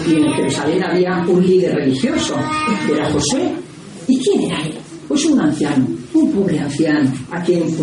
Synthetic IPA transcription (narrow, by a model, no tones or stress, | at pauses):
ienk̪eɾesalenaβiaũnliðeɾrelixjosodeɾaxoswe | ikjeneɾae | posuŋãɱfjanoumpoβɾeaɱfjanakeŋ